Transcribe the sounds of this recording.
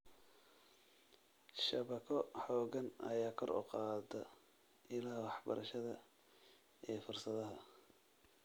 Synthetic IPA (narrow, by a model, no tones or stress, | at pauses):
ʃɐβɐkʰɔħɔːɣɐnɐ̰jaːkʰɔɾʔɔ̰qɑːd̪ɐ | ɪlaːwɑħbɐ̰ɾʔɐʃɐðɐ | ɛːfʊrsɐðɐɦɐ